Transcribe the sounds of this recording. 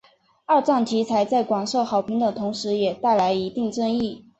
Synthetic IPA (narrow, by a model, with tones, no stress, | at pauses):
a˥˧ʈ͡ʂɑ˥˩ŋt͡ɕʰi˧˥t͡sʰa˧˥ɪt͡sa˥˩ɪkwɑ˨˩ŋʂɤ˥˩ʊxɑ˨˩ʊpʰi˧˥ŋd̪ə˨˩t̪ʰʊ˧˥ŋʂɻ̩˧˥jɛ˨˩t̪a˥˩ɪla˧˥ɪi˧˥t̪i˥˧ŋʈ͡ʂɤ˥˧ŋi˥˩